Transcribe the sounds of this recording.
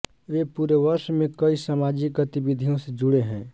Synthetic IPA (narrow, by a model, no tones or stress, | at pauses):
ʋepuɾeʋəɾʃmekəisamad͡ʒik̚ɡət̪ibid̪ʱijõsẽd͡ʒuɽeɦɛ̃